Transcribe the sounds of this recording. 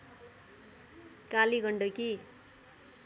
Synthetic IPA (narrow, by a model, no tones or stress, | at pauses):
kaliɡʱʌɳɖoki